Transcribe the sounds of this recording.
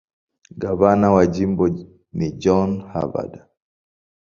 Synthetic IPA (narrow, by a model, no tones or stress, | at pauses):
ɡavanawad͡ʒimbɔ | nid͡ʒɔnha̰va̰da